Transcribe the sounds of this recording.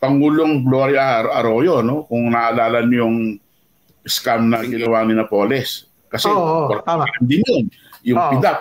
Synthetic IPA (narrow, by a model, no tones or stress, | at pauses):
pɐŋuːloŋɡloːɾjɐɐɾojono̞kʊŋnɐʔɐlaːlɐnjʊŋ | ʔɪskamnɐɡɪlɐwanɪnɐpoːlɛs | kɐsɛoɾk̪aɐlɐnd̪ɪnjʊŋ | jʊpɪd̪ap̚